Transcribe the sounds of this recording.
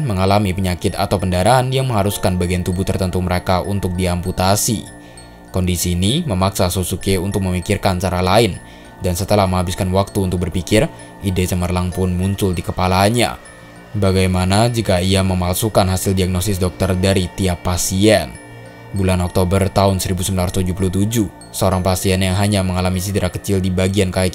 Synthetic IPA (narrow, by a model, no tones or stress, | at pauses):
məŋalamipəɲakɪt̪a̰t̪awpəndaɾaanjaŋməŋaɾuskanbaɡijant̪ubuht̪ərt̪ənt̪uməɾekaʔunt̪ʊk̚diamput̪asḭ | kɔndisiːniməmaksasosukeunt̪ʊk̚məmikɪrkant͡ʃaɾalaɪn | dansət̪əlahməŋɦabɪskanwak̚t̪uːnt̪ʊk̚bərpikɪr | ʔidɛt͡ʃəmərlaŋpʊnmuɲt͡ʃʊldikəpalaɲa̰ | baɡajmanad͡ʒikaiaməmalsukanɦasɪldiaɡ̚nost̪ɪsdɔk̚t̪ərdaɾit̪iapːasiɛn | bulanɔk̚t̪obərt̪aʊnsəɾibusəmbilarst̪ud͡ʒupuluht̪ud͡ʒu | səoɾaŋpasiɛnjaŋɦaɲaməŋalamisidaɾakət͡ʃɪldibaɡiankaɪt